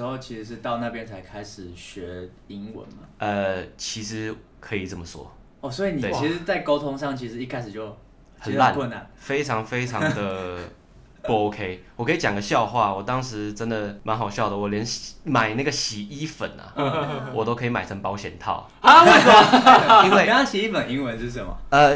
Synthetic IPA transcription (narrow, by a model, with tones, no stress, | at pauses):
ho˥˧ʊt͡ɕʰi˧˥ʂɻ̩˧˦ʂ̬ɻ̩˥˧t̪ɑ˥˧ʊna˥˨˩pjɛ˥nt͡sʰa˧˥ɪkʰa˥ɪʂɻ̩˨˩ɕɥɛ˧˥ | i˦ŋwə̰˧˦nma˨ʔə˧t͡ɕʰi˧˥ʂɻ̩˧˥ | kʰɤ˧˥i˨˩t͡sə˥˩mə˨˩swɔ̰˥ | ɔ˥˨˩swɔ˧˥i˨ni˨t̪e˥˩˨t͡ɕʰi˥ʂ̩˧˦t͡sa˥˩ɪko˥ʊt̪ʰʊ˥ŋʂɑ˥˨ŋt͡ɕʰi˧˥ʂ̩˧˦i˥˧kʰa˥ɪʂɻ̩˨˩t͡ɕjo˥˩ʊ | hə˨n˥la˥˨nwə˥˧na˥˩nfe˥ɪʈ͡ʂʰɑ˧˥ŋfe˥ɪʈ͡ʂʰɑ˧˦ŋd̪ə˨ | po˧˩o˧˦ʊkʰe˦ɪwɔ˨˩kʰɤ˧˥i˨t͡ɕjɑ˨˩ŋɡə˨ɕjɑ˥˧ʊxwa̰˥˩wɔ˨˩t̪ɑ˦ŋʂɻ̩˧˦ʈ͡ʂə˦˥nd̪ə˨ma˨˧˥nxɑ˨˩ʊɕjɑ˥˩ʊd̪ə˩wɔ˨˩ljɛ˧˦nma˨˩ɪna˥˩ɡə˩ɕi˨˩i˦˥fə̰˨˩nɐ̰˨wɔ˨˩t̪o˥ʊkʰi˨ma˨˩ɪt͡sʰə˧˦npɑ˧˥ʊɕjɛ̰˨˩nt̪ʰɑ̰˥˩ʊ | a˥˩i˥nwe˥˩ɪ˨˥˩ɕi˨i˦˥fə˨˩ni˥ŋwə˧˦nʂ̩˥˩˥ə˨˩nmɐ̰˩ə˧